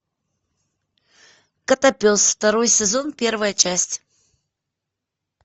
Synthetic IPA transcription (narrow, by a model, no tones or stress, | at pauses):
kɐt̪ɐpʲosft̪ɐɾojsʲɪzo̞npʲe̞rvəjət͡ʃæsʲtʲ